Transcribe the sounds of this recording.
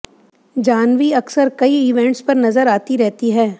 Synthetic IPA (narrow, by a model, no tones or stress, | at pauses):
d͡ʒaːnʋiɐksəɾkɐiɪːʋɛ̃ɳʈspɐɾnɐzəɾaːt̪iɾɛɦt̪iɦɛː